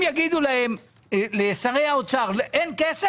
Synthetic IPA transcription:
jaɡid̪ulahem | leːsaʁejaot͡saʁlʔenkese

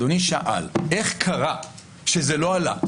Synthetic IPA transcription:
oniʃaʔa̰le̞χkʰaʁa | ʃezelo̞ala̰

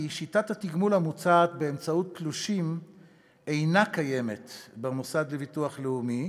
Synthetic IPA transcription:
iʃitathatiɡmulamut͡saːt̪be̞emt͡sautːluʃim | e̞jnakaje̞me̞tbemusad̪levituaχleumi

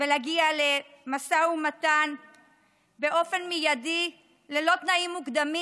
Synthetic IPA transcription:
velaɡiale̞masaumat̪an | be̞ʔo̞fe̞nmijadi | lelo̞t̪naimːukd̪ami

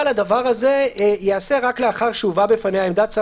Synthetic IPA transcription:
lad̪avaʁazejease̞ʁakleaχaʁʃuvabefanehaemd̪at͡sa

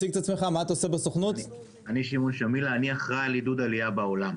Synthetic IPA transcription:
iɡet̪at͡smeχamaat̪aosebesoχnut̪ | aniʃimonʃamilaniaχʁalid̪ud̪alijabaolam

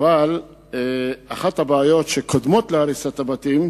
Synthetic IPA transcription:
val | eaχathabaːjo̞tʃekʰod̪mo̞t̪leaɾisat̪abat̪im

